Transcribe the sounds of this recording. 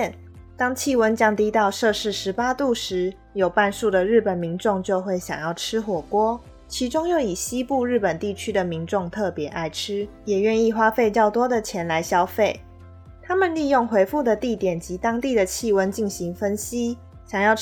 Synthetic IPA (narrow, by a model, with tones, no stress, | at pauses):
n | t̪ɑ˥ŋt͡ɕʰi˥˨wə˦nt͡ɕjɑ˥ŋt̪i˥t̪ɑ˥˧ʊʂɤ˥˧ʂɻ̩˥˩ʂɻ̩˧˦˥pa˥t̪u˥˩ʂɻ̩˧˥˦ | jo˨˩ʊpa˥˧nʂu˥˩d̪ə˩ɻɻ̩˥˩pə˨˩nmi˧˦˥nʈ͡ʂʊ˥˧ŋt͡ɕjo˥˧ʊxwe˥˩ɪɕjɑ̰˨˩ŋjɑ˥˩ʊʈ͡ʂʰɻ̩˥xwɔ˨˩kwɔ˥ | t͡ɕʰi˧˥ʈ͡ʂʊ˥ŋjo˥˩ʊi˨˩ɕi˦˥pu˥˧ɻɻ̩˥˩pə˨˩nt̪i˥˩t͡ɕʰy˥d̪ə˨mi˧˦˥nʈ͡ʂʊ˥˧ŋt̪ʰɤ˥˩pjɛ˧˥ʔa˥˧ɪʈ͡ʂʰɻ̩˥ | jɛ˨˩ɥɛ˥˧ni˥˩xwa˥fe˥˧ɪt͡ɕjɑ˥˩ʊt̪wɔ˥d̪ə˨t͡ɕʰjɛ˧˥nla˧˥ɪɕjɑ˥ʊfe˥˩ɪ | t̪ʰa˥mə˨nli˥˧jʊ˥˩ŋxwe˧˥ɪfu˥˩d̪ə˨t̪i˥˩t̪jɛ˨˩nt͡ɕi˧˥t̪ɑ˥ŋt̪i˥˩d̪ə˩t͡ɕʰi˥˩˨wə˦nt͡ɕi˥˩nɕi˧˥ŋfə˦˥nɕi˥ | ɕjɑ˨˩ŋjɑ˥˩ʊ